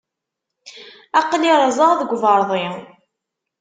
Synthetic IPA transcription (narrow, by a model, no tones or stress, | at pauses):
ɑqliɾˤɑzˤəʁðəɡʷvəɾˤðˤi